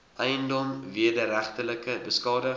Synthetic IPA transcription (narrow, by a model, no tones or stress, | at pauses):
ʔɛjəndɔmviədəɾæχtələkəbəskɑːdə